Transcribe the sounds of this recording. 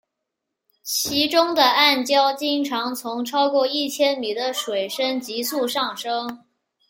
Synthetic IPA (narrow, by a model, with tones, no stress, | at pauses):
t͡ɕʰi˧˥ʈ͡ʂʊ˥ŋd̪ə˨a˥˩nt͡ɕjɑ˥ʊt͡ɕi˥ŋʈ͡ʂʰɑ˧˥ŋt͡sʰʊ˧˥ŋʈ͡ʂʰɑ˥ʊkwɔ˥˧i˥˩t͡ɕʰjɛ˥nmi˨˩d̪ə˦ʂwe˨˩ɪʂə˥nt͡ɕi˧˥su˥˧ʂɑ˥˩ŋʂɤ˥ŋ